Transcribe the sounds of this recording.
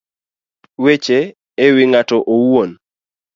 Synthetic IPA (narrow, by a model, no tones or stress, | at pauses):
wet͡ʃe | ewɪŋatɔʔowon